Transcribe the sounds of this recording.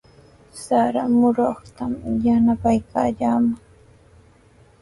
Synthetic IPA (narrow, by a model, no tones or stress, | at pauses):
saɾamʊɾoχt̪amjanapajkaːʎaːma